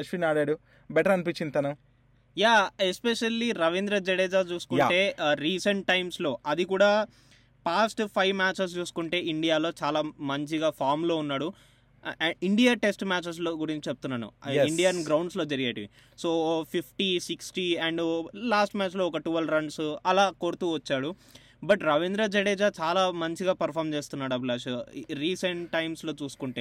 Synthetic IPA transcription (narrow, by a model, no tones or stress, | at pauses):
ɐʃʋiːnaːɽaːɽu | bɛʈɐɾɐnipit͡ʃːint̪ɐnɐ | jaːespeʃɐlːiɾɐʋind̪ɾɐd͡ʒɛɽeːd͡ʒaːt͡ʃuːsu̥kuɳʈe̞ːɾiːsɐɳʈʈːɐjmslo̞ːʔɐd̪ikuːɽaː | paːsʈpʰɐjʋmaːt͡ʃes̬t͡ʃuːsu̥kuɳʈe̞ːiɳɖijaːlo̞ːt͡ʃaːlaːmɐɲt͡ʃiɡaːpʰaːɾmlo̞ːunːaːɽu | iɳɖijaːʈe̞sʈmaːt͡ʃes̬loːɡuɾiɲt͡ʃit͡ʃep̚t̪unːaːnṵiɳɖijaːnɡɾɐwɳɖslo̞ːd͡ʒɐɾiɡeːʈiʋi | soːpʰipʰʈisiksʈiɛɳɖlaːsʈmaːt͡ʃlo̞ːɔkɐʈuʋɐlɾɐɳɖsɐlaːkoːɾut̪uːʋɐt͡ʃːaːɽu | bɐʈɾɐʋend̪ɾaːd͡ʒɐɽeːd͡ʒat͡ʃaːlaːmɐɲt͡ʃiɡaːpɐɾpʰaːɾmt͡ʃe̞ːst̪unːaːɽuɐblaːʃɾiːseɳʈːɐjmslo̞ːt͡ʃuːsu̥kuɳʈe̞ː